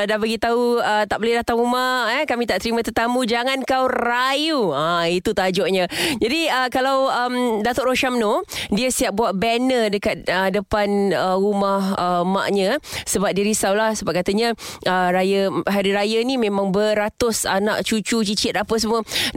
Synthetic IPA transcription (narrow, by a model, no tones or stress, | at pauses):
dahbaɡit̪auət̪aʔboledaht̪aŋumaəkamit̪aʔt̪əɾimãt̪ərt̪amũd͡ʒaŋankawrajuait̪ut̪ad͡ʒɔʔɲad͡ʒadiəkalawəmdat̪ʊʔɾoʃamnodiəsiap̚buaʔ̚bɛnədəkat̪̚ədəpanəɾumahəma̰ʔɲasəbap̚diɾisawlahsəbaʔ̚kat̪əɲaəɾajaɦaɾiɾajanimẽmãŋbəɾat̪ʊsa̰naʔt͡ʃut͡ʃut͡ʃit͡ʃɪt̪apəs̬əmuə